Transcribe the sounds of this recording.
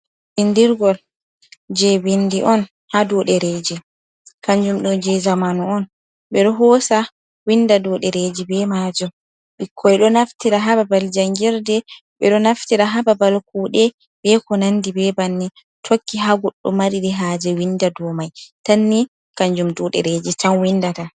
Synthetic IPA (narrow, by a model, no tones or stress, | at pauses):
ɓindiɾɡɔl | d͡ʒɛwindiʔɔn | hadɔɗɛɾed͡ʒi | kaɲd͡ʒumɗɔd͡ʒɛzamanɔɔn | ɓɛɗɔɦɔsa | windadɔɗɛɾed͡ʒibɛmad͡ʒɔm | ɓikʰːɔjɗɔnaftiɾaɦababald͡ʒaŋɡiɾdɛ | ɓɛɗɔnaftiɾaɦababalkuːɗɛ | bɛkɔnandibɛbanːi | tʰokːiɦaɡɔɗːɔmaɾiɾiɦaːd͡ʒɛwindadɔmajtanːi | kaɲd͡ʒumdɔɗɛ̰ɾed͡ʒɛtanwindata